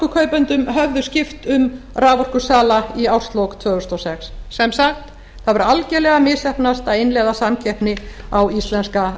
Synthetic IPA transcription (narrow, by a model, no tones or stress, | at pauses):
kʏkʰœːɥpœnt̪ʏmɦœvðʏscɪft̪ʏm | raːvɔr̥kʏsaːlaiawrst̪lowkt̪ʰvœːɣʏst̪ɔwsɛksːɛmsaxt̪ | θaðvʏɾalcɛlɛːɣamɪsɛhpnast̪aðejnlɛːðasamcʰɛhpnɪawist̪lɛnska